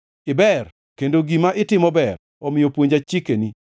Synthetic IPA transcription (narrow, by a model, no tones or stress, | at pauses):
ɪbɛr | kendoɡimaʔɪtɪmɔbɛr | ɔmɪjɔpwoɲd͡ʒat͡ʃikeni